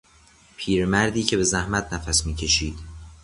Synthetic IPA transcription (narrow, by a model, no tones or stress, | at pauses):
pʰiːɾmæɾd̪iːcʰe̞be̞zæhmæt̪ʰnæfæsmiːcʰe̞ʃiːd̪̥